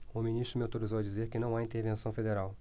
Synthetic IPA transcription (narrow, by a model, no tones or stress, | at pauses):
ʊminist̪ɾʊmɪot̪oɾizowɐd͡ʒizeɾkɪnɐ̃w̃aĩnt̪eɾvẽsɐ̃w̃fed̪eɾaw